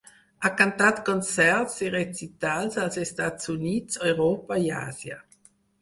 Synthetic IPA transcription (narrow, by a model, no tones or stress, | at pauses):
akant̪at̪kont͡sɛrt̪siʁet͡sit̪alsalsest̪at̪suniːt̪sojʁoːpaia̰ːzja̰